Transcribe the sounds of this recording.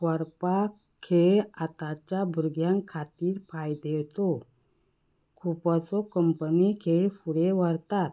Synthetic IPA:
ʋəɾpa | kʰeɭat̪at͡ɕjabʱuɾɡjãŋkʰat̪iːɾpajd̪ewt͡sɔ | kʰupasɔkəmpənikʰeɭfuɽeʋəɾt̪at̪̚

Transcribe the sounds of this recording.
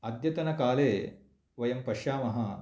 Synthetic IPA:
ɐd̪jɐt̪ɐnɐkaːleː | ʋɐjɐmpɐʃaːmɐɦɐ̆

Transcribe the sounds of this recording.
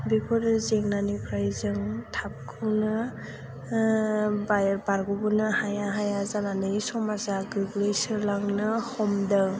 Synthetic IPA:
bikʰɔɾɯzeŋnanipʰɾajzɯŋtʰap̚kʰɯwnɯ | bajbaɾɡɔbunɯhajaɦajazananɯjsɔmazaɡɯɡlɯjsɯɾlaŋnɯhɔmdɯ

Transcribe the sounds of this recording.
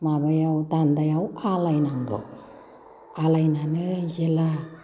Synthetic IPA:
mabajawt̪and̪ajawalajnaŋɡo̰ | alajnanɯzela

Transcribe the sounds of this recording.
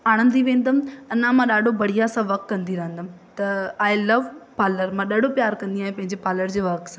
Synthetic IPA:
aːɽ̃ə̃nd̪iʋẽːn̆d̪əmɐnãmãɗaːɖʱobɐɽ̤ijasãʋɐk̚t̪kːɐ̃nd̪iɾɐɦə̃nd̪əm | t̪ɐaːɪlɐʋpaːləɾmãɗɐɖ̤ʱopjaːɾkɐ̃nd̪iaːɦẽpɐ̃ɦɪ̃ɲd͡ʑepaːləɾd͡ʑeːʋɐksãː

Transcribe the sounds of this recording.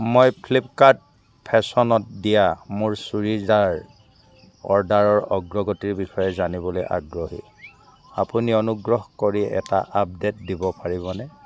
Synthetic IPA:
mojpʰlip̚kaɹd̚ | pʰɛsɔnɔt̚dijamʊɹsuɹizaɹ | ɔ̰ɹdaɹɔɹɔɡɹɔɡɔtiɹbixɔjɛzanibɔlojʔa̰ɡɹɔɦḭ | apuniɔnuɡɹɔɦkoɹiɛ̰ta̰ʔap̚det̚dibɔpaɹibɔnɛ

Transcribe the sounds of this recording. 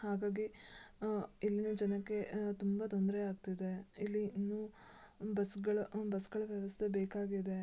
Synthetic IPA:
haːɡaːɡi | ilːinɐd͡ʒɐnɐkːe̞t̪umbɐt̪ond̪ɾeaːɡt̪id̪e̞ilːinːuːbɐsɡɐɭɐbɐsɡɐɭɐʋjɐʋɐst̪ʰɐbeːkaːɡid̪e̞

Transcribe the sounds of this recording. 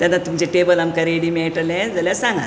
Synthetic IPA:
t̪janːat̪umt͡ɕeʈebəlamkaɾeɽiːmeʈəlẽd͡zəljasãŋɡa̰

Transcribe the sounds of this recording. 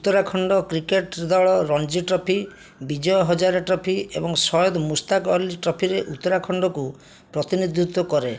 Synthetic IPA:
ut̪ːɔɾakʰɔɳɖɔkɾikeʈd̪ɔɭɔɾɔnd͡ʒiʈɾɔpʰi | bid͡ʒɔjɔɦɔd͡ʒaɾɔʈɾɔpʰiḛbɔŋsɔjɔd̪ɔmust̪akɔlːiʈɾɔpʰiɾeʔut̪ːɔɾakʰɔɳɖɔku | pɾɔt̪inid̪ʱut̪wɔkɔɾe

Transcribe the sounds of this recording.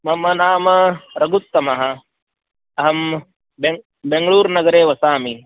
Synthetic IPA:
mɐmɐnaːmɐɾɐɡut̪ːɐmɐɦɐ | ɐɦɐm | beŋ | beŋɡɐɭuːɾnɐɡɐɾeːʋɐsaːmi

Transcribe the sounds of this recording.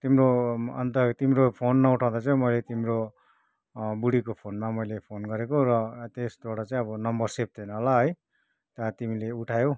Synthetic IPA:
t̪imroʌ̰nt̪ʌt̪imɾopʰonːʌuʈʰaw̃d̪at͡saĩmʌjlet̪imro | buɽikopʰonmamʌjlepʰonɡʌɾekorʌt̪esd̪aɽʌt͡saĩʌbʌnʌmbʌrsep̚d̪enʌɦolaɦʌj | t̪ʌt̪imileuʈʰajo

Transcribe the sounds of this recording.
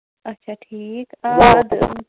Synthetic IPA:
ɐtːʃʰaʈʰiːkad̪

